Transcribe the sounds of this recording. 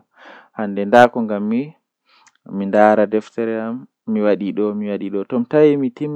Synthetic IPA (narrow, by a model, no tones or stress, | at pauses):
handɛndaːkɔŋɡamːi | mindaːɾadɛftɛɾɛamː | iwaɗiɗɔmiwaɗiɗɔtɔmtawimitim